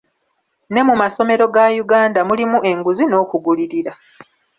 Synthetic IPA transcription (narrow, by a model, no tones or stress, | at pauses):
ne̞mumaso̞me̞ɾo̞ɡajuɡaːndamulimuʔe̞ŋɡuzino̞ːkuɡuliɾiɾa